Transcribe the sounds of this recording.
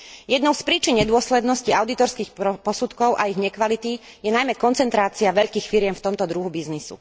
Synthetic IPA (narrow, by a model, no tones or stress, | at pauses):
jɛd̪nɔʊspɾiːt͡ʃinɲɛd̪ʊɔslɛd̪nɔsciaʊd̪it̪ɔɾskiːxpɔsut̪kɔʊʔa̰iɣɲɛkʋalit̪i | jɛnajmɛkɔnt͡sɛnt̪ɾaːt͡siaʋɛʎkiːxfiɾɪɛmft̪ɔmt̪ɔd̪ɾuɦubiznisṵ